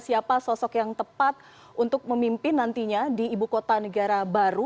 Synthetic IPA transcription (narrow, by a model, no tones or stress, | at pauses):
siapasɔsɔkjaŋt̪əpat̪̚ | unt̪ʊk̚məmimpɪnːant̪iɲadiːbukot̪anəɡaɾabaɾu